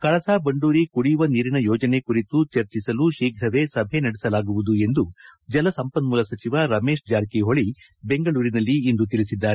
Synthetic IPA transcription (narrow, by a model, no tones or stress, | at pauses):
kɐɭɐsaːbɐɳɖuːɾikuɽijuʋɐniːɾinɐjɔːd͡ʒɐne̞kuɾit̪ut͡ʃɐɾt͡ʃisɐluʃiːɡʱɾɐʋe̞sɐbʱe̞nɐɽisɐlaːɡuʋud̪ue̞nd̪ud͡ʒɐlɐsɐmpɐnmuːlɐsɐt͡ʃiʋɐɾɐme̞ːʃd͡ʒaːɾkiɦoɭi | be̞ŋɡɐɭuːɾinɐlːiːnd̪ut̪iɭisid̪ːaːɾe